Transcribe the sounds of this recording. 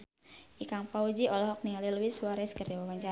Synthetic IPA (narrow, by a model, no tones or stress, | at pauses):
ʔikaŋpaud͡ʒiʔɔlɔɦɔk̚nialiluwisuaɾɛskərdawawaɲt͡ʃa